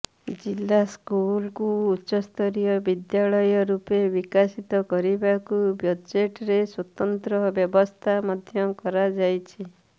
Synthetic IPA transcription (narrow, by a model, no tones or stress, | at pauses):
d͡ʒilːaskulkuːʃɔst̪ʰɔɾijɔbid̪jaɭɔjɔɾupebikasit̪ɔkɔɾibakubjɔd͡ʒeʈɾeswɔt̪ɔnt̪ɾɔbjɔbɔst̪ʰamɔd̪ʱjɔkɔɾad͡ʒajt͡ʃʰi